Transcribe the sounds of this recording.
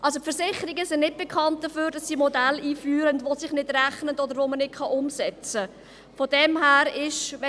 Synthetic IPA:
ʔɑlsopfəɾsɪχəɾiɡəsɪnnɪt̚b̥ɛkχɑnt̚d̥əføːɾd̥ɑsːimɔdæliːfyːɾəndʋosɪχnɪdɾæχnətɔdəɾʋomənɪt̚kʰχɑʔʊmsɛt͡sə | fɔdɛmɦæːɾɪʃʋɛ

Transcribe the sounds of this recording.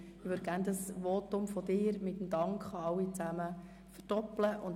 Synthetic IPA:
ɪʋøɾd̥̚ɡ̥æːndəsʋɔt̪ʊmfɔd̥̪ɪːɾmɪtəmd̪ɑŋkχɑɑwit͡sæmə | fərd̥ɔpləʔʊnd

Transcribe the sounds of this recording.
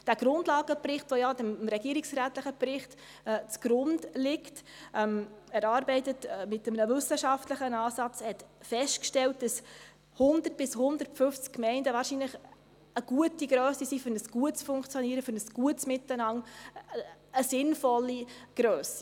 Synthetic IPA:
d̥æːɡ̥ɾʊndlɑːɡ̥əprɪχtʋojɑdɪmmɾɛɡ̥iəɾɪksɾæːtləχəpɾɪχtː | t͡sɡ̥ɾʊndlɪkt | ɛmæɾɑːɾbɛɪtətmɪtəmənəvʏsəʃɑftləχənɑːsɑt͡shɛtfɛstkʃtɛlt̚d̥ɑs | hʊndərtb̥ɪshʊndəɾtfʏft͡skkːmɛɪndəʋɑːɾʃiːnləχ | əɡ̥uətiɡɾœːsisiːfʏɾnəsɡ̥uətt͡sfʊŋkt͡sjɔniːəɾəfʏɾnəsɡ̥uətsmɪtːənɑŋ | əsɪnfɔlːiɡ̥ɾœːsi̥

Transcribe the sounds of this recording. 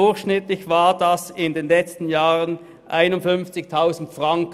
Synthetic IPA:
ʊɐçʃnɪtlɪçv̥aːdasɪndeːnlɛt͡stn̩jaːʁən | ʔaɪnʊntfʏnft͡sɪçtʰaʊzn̩tfʁ̥aŋk

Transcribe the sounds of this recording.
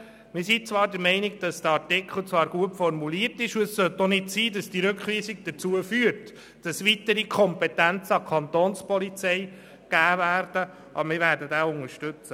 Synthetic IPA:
mɪɾsit͡svʋɑːɾdəɾmɛɪnɪɡd̥ɑsd̥̪əɑɾtɪkχl̩ˠt͡sʋɑːɾɡ̥uəpfɔrmuliːəɾtɪʃuəssœt̪ːɔnɪdsiːdɑsd̥iɾɵkχʋiːsɪkd̥əɾt͡suəfyːəɾt | d̥ɑsʋitəɾikʰɔmpɛtænt͡səɑkʰɑnt̪oːnspɔlit͡sɛɪ | ɡ̥æːvæːɾd̥ə | ʔɑ̰bəɾmɪɾvæːɾdədæːʊŋəɾʃtʏt͡sə

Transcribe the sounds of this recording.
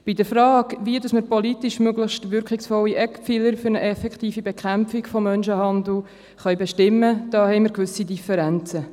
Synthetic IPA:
b̥idəɾfɾɑːɡʋiədɑsməɾpolitiʃmøɡlɪχʃtʋʏɾkχɪksfɔlːiʔɛkpfiləɾfyɾnəʔɛfɛktiːfibɛkχæmpfɪkfɔmːœnʃəhɑnd̪l̩ | χœjbɛʃtɪmːəd̥ɑːɦhɛɪməɾkʋʏsidifɛɾænt͡sə

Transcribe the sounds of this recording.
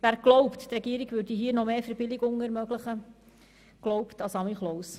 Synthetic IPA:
ʋæːɾɡ̥lɔwpttɾɛɡiːəɾiɡvʏɾd̥iɦiːənɔmeːfɛɾbɪliɡʊŋɛɾmøɡlɪχə | ɡ̥lɔʊptɑsɑmiχlɔws

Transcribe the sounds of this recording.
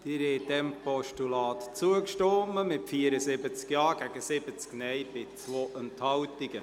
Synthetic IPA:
d̥̪ɪɾhɛd̪ɛmpɔʃtulɑːt̪t͡suəkʃtomːəmɪtfiəɾəsɪbət͡skjɑːɡ̥æɡəsɪbət͡sknɛjb̥ɪt͡svoːʔənt̪hɑwtɪɡə

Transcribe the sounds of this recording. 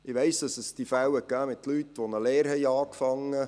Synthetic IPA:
ɪʋɛɪsd̪̥ɑsəsd̥ifæwəkɡæːmɪt̪lyt̪ːʋɔnəleːɾɦɛjɑːkfɑŋːə

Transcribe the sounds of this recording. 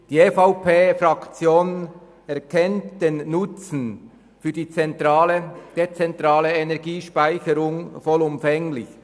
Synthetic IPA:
d̥iːefaʊpʰeːfɾʁɑkt͡sjoːn | ɛʁkʰɛntd̥eːnːʊt͡sn̩ | fyːɐdiːt͡sɛntɾaːləd̥et͡sɛntɾɑːləenɛʁɡiːʃpaɪçəɾʊŋfɔlʊmfɛŋlɪ̰ç

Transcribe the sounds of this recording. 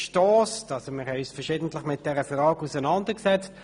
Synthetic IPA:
ʃtɔːstɑlsomɪʁhɛysfəʁʃɪːdn̩tlɪχmɪt̚d̥ɛʁəfʁɑːɡusənɑndəksɛt͡st

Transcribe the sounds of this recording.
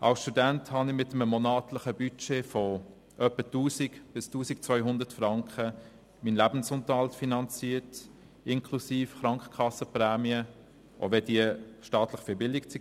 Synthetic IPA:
ʔɑ̰lsʃtudænthɑnɪmɪtəmmonɑːtləχəbyt͡ʃeːfɔ | ʔœpətuːsikb̥ɪstuːsɪkt͡sʋœʏɦʊndətfrɑŋkχə | miːnlæbn̩sʊnt̪əɑltfinɑnt͡siːət | ɪŋkʰlusiːfχɾɑŋkχə̥kʰɑsəprɛːmiə | ʔo̰vɛdiəʃtɑːtlɪχfɪbɪldɪkt͡si

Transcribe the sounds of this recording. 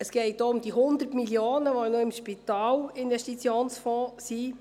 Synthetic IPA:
əsɡ̥ɛɪt̚doʊmd̥̪iɦʊnd̪ərtmiljoːnəʋonoɪmʃpit̪ɑːlɪnʋɛʃtit͡sjoːnsfɔ̃ːsi

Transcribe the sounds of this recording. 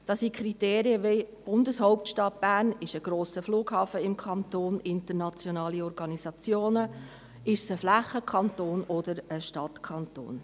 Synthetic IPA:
d̥ɑsikʰɾiteːɾiəʋeb̥ʊndəshɔʊp̚tʃtɑt̚b̥æːnɪʃəɡ̥ɾoːsəfluːɡhɑːfəɪmkʰɑnt̪oːnɪntəɾnɑt͡sjɔnɑːliɔɾɡɑnisɑt͡sjoːnə | ɪʃsəflæχːəkʰɑntoːnɔdəɾəʃtɑtkʰɑnt̪o̰ːn

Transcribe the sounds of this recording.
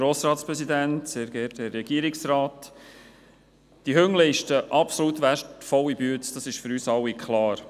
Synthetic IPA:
ɾoːsɾɑːtspɾɛsid̪æntsɛːɾɡɛtɛrːɛɡ̥iːəɾɪksɾɑːt | d̥ihøŋlɛɪʃtəʔɑpsɔlut̪ʋæʃtfɔwːibyətsd̥ɑsɪʃføɾyːsɑwːikχlɑːɾ

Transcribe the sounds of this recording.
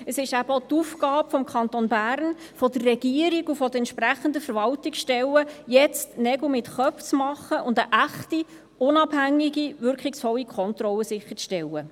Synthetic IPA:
əsɪʃæbəɔt̪ufkɑːpfɔmkʰχɑnt̪onbærn | fɔd̪ərːɛɡ̥iəɾiɡufɔd̥əɛntʃpɾæχənd̪əfəɾvɑltɪksʃtɛləjɛt͡stnɛɡl̩mɪtχœpft͡smɑχəʔʊndəʔæχti | ʊnɑbhæŋːiɡiʋʏɾkχikshɔwikʰɔntɾɔlːəsɪχːə̥t͡sʃtɛlːə

